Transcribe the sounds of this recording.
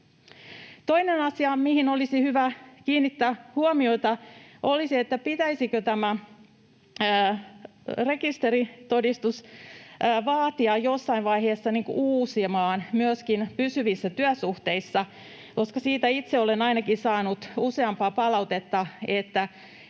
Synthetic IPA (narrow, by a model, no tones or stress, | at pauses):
t̪o̞inenɑsiɑmihinolisihyʋækiːnːit̪ːæːhuomio̞it̪ɑʔo̞lisiet̪ːæpit̪æisikøt̪æmæ | re̞kist̪eɾit̪odist̪usː | ʋɑːt̪iɑjjosːɑinʋɑjheːsːɑniŋkṵʔuːsimɑːnmyøskinpysyʋisːæt̪yæsuht̪eisːɑ | ko̞skɑsiːt̪æit̪seolenɑinɑkisɑːnut̪useɑmpɑːpɑlɑut̪et̪ːɑet̪ːæ